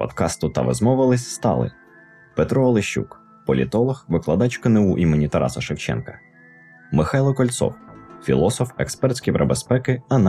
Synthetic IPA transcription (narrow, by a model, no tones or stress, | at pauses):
pɔ̰d̪kɑst̪ʊt̪ɐʋɛ̰zmɔʋɪlˠɪsʲst̪ɑ̰lˠɪ̰ | pet̪ɾɔɔlˠɪʃʲːṵk | pɔlʲit̪ɔlˠɔxʋɪklˠɐd̪ɑt͡ʃʲkɐnɪuʔimɔnʲit̪ɐɾɑ̰sɐʃewt͡ʃɛ̰nkɐ̥ | mɪxɑjlˠɔkɔlʲt̪sɔ̰wfʲilˠɔsɔfɛ̰kspɛrt̪ʲsʲkʲijpɾɐbespɛkɪɐn